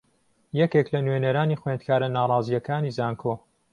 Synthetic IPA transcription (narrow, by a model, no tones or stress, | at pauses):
jɛkeklɐnweneɾaːniːxwend̪̚kʰaːɾɐnaːrˤɑːzijɐkaːniːzaːŋkʰoː